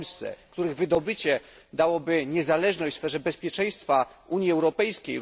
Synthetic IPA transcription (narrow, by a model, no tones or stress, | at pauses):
lst̪sɛ̰kt̪uɾɘɣvɘd̪ɔbɘt͡ɕɛ | d̪awɔbɘɲɛzalɛʐnɔjsfɛʐɛbɛspʲjɛt͡ʂɛj̃st̪fa | uɲjiɛwɾɔpɛjskʲḛj